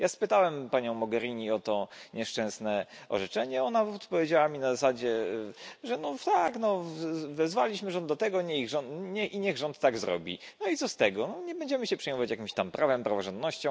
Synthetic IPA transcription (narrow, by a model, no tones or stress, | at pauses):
jaspɘt̪awɛmpaɲɔ̃w̃mɔɡɛɾʲiɲiɔt̪ɔɲɛʂt͡ʂɛ̃snɛɔ̰ʐɛt͡ʂɛɲɛɔnaɔt̪pɔvʲjed͡ʑawamʲinazasad͡ʑɛ | ʐɛnɔt̪aknɔvɛzvalʲiɕmɘʐɔnd̪d̪ɔt̪ɛɡɔɲɛiɣʐɔnɲɛʔiɲɛɣʐɔnt̪t̪ːaɡzɾɔ̰bʲḭ | nɔit̪sɔst̪ɛɡɔnɔɲɛbɛɲd͡ʑɛmɘɕɛpʂɛjmɔvat͡ɕjakʲimɕt̪ampɾʔavɛmpɾavɔʐɛnd̪nɔɕt͡ɕɔ̃